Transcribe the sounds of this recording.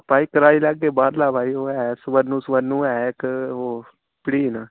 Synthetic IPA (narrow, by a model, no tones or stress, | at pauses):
paːiːkəɾaːiːləɡːeːbaːɾlaːbʱaːiːoːɛːsʋəɾnũːsʋənːũːɛːkɦoː | pɪɽiːna